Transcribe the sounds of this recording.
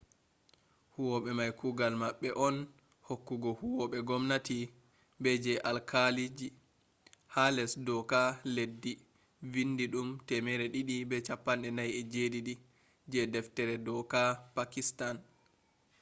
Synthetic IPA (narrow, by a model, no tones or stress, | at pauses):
huwɔɓɛmajkuɡalmaɓːɛʔɔn | hokːuɡɔhuwɔɓɛɡɔmnati | bɛd͡ʒɛʔalkʰalid͡ʒi | halɛsdɔkaledːi | vindiɗumtɛmɛɾɛɗiɗibɛt͡ʃapːanɗɛnajɛd͡ʒediɗi | d͡ʒɛdɛftɛɾɛdɔkapakistan